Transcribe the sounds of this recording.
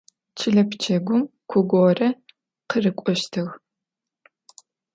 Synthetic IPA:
t͡ʃʰɪɮɐpt͡ʃʰɐɡʷʊmkʷʰʊɡʷorɐ | qərɨkʷʼɔʃtʰɐɣ

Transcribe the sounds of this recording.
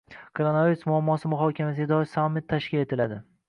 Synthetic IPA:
kʰoɾonaviɾusmʊamːɒsɪmʊɦɒkʲʰamasɪɡʲad̪ɒɪsamːɪt̪ʰːaʃkʲɪle̞t̪ʰɪlad̪ɪ

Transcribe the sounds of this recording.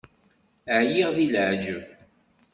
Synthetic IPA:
ʕjiʁðilʕd͡ʒəv

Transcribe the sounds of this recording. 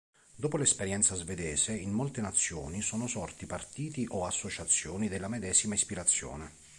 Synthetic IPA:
d̪oːpolɛspeɾjɛnt̪sazved̪ɛːzeinːolt̪enat̪sːjo̰ːnisoːnosɔrt̪ipart̪iːt̪iʔɔasːot͡ʃat̪sːjoːnid̪elːamɛd̪ɛːzimaispiɾat̪sːjo̰ːne

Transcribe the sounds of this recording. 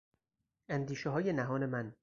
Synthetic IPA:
ænd̪iːʃeɦɒːjenæɦɒːnemæn

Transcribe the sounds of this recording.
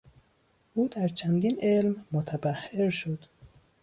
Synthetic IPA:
ʔuːd̪æɾt͡ʃʰænd̪iːnelmːot̪ʰæbæhːeɾʃod̪̥

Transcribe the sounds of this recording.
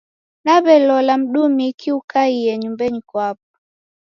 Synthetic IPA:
naβɛlɔlam̩ɗumikiukaiɛɲumbɛɲikwap̚ɔ

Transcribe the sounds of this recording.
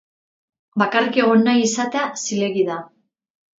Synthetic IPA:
bakarike̞ɣo̞nːajisat̪easile̞ɣiða

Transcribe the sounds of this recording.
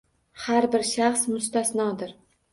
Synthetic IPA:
haɾbɪɾʃaχsmʊst̪asnɒd̪ɪɾ

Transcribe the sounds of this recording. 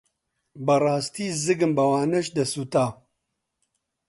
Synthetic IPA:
bɐrˤɑːst̪iːzɨɡɨmbɐwaːnɐʃd̪ɐsut̪aː

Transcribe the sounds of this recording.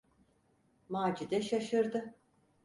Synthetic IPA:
maːd͡ʒid̪ɛʃaʃɯɾd̪ɯ

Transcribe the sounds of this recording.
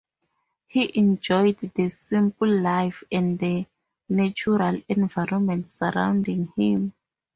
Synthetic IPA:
hiʔɛ̃nd͡ʒɔjddəsĩmplːajfɛ̃ndə | nat͡ʃuɹalɛ̃nvajɹɔmɛ̃ntsaɹã̰w̃ndĩŋhĩm

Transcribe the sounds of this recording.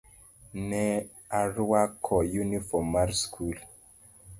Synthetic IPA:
nɛ | aɾuwakʰɔjunifɔmaɾskʰul

